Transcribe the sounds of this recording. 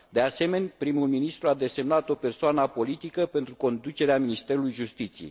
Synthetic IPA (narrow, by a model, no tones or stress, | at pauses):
d̪ease̞me̞nʲpɾimulminist̪ɾuad̪e̞se̞mnat̪o̞pe̞rsoanapo̞lit̪ikəpe̞nt̪ɾuko̞nd̪ut͡ʃeɾeaminist̪e̞ɾulujʒust̪it̪sijḛj